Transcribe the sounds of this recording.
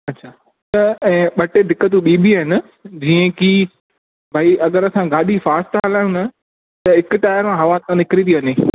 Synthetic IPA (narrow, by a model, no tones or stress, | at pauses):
ɐtːɕʰaː | t̪ɐɛ̃ːɓɐʈed̪ʱɪkːət̪̬ũɓiːbiɦɪnə̆ | d͡ʑiːə̃ki | bʱaːiʔɐɠəɾɐsãɡaːɗifaːst̪ɦəlaːj̃ũnɐ | t̪ɐɦɪkʈaːjəɾmãɦɐʋãt̪ãnɪkɾit̪ʰiʋɐɲeː